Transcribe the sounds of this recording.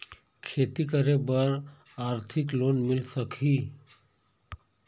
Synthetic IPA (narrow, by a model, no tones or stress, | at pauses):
kʰeːt̪ikəɾebəɾaːɾt̪ʰɪkloːnmɪlsəkɦiː